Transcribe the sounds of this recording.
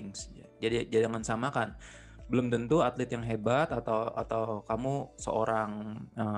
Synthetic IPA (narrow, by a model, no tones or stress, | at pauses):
ŋsd͡ʒad͡ʒadid͡ʒadidaŋansamakan | bəlʊmt̪ənt̪uat̪lɪt̪̚jaŋɦebat̪at̪awa̰t̪awkamusə̰ʔoɾaŋə